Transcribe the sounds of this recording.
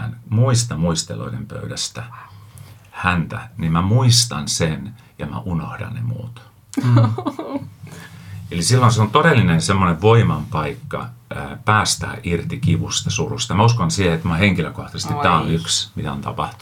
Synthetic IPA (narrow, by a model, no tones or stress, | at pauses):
nmuist̪ɑmuist̪ḛlo̰idempø̰ydæst̪æ | hænt̪ænimæmuist̪ɑnsen | jɑmæ̰ʔunohdɑ̰nnḛmṵːt̪ | elisilːonseont̪oɾelːinensemːoneʋʋoimɑmpɑikːɑ̰pæːst̪æ̰ːʔirt̪ikiʋust̪ɑsurust̪ɑmæuskonsiːhet̪moɑheŋkiløkoht̪ɑsest̪it̪t̪æːonyksmit̪æont̪ɑ̰pɑ̰ht̪u